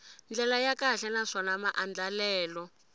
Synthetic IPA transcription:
nd͡ɮɛlajakaɬɛnaʂɔnamaʔand͡ɮalɛːlɔ

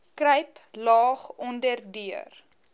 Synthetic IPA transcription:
krəjplɑːχɔndərdyər

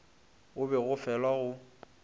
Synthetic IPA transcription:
ʊbɛɣʊfɛlwaɣʊ

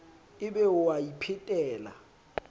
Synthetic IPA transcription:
ɪbɛʊwajipʰɪtʼɛːla̰

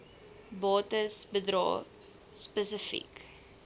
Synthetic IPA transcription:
bɑːtəsbədɾɑ̰ː | spəsəfḭk

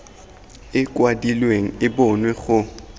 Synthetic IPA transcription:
ɪkʼwadilweŋ̩ɪbɔnwɛɣʊ

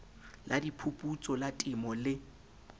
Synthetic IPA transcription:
ladipʰupʼut͡sʼɔlatʼɪmɔlɪ

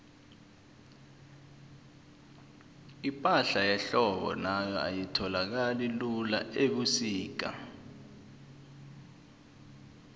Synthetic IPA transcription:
ipʼaɬajɛɬɔɓɔ̰najɔa̰jitʰɔlak̬alilulaʔeɓusiːk̬a̰

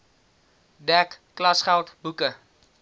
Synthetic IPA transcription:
dɛkːlɐsχɛlˠtbukə

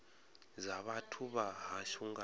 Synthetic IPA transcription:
zaβatʰuβaɦaʃuŋɡa

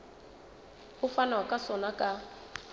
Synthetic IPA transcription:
ʊfanaakʼasɔnakʼa

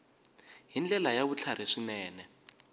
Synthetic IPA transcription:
ɦind͡ɮɛlajaβut͡ɬʰaɾ̤iʂinɛːnɛ

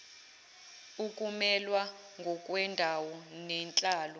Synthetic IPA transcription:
ukʼumɛlwa | ŋɡʱɔkʼwɛndʱawɔnɛnt͡ɬʼaːlɔ

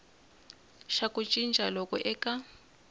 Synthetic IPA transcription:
ʃakʼut͡ʃʼint͡ʃʼalɔkʼɔʔɛkʼa

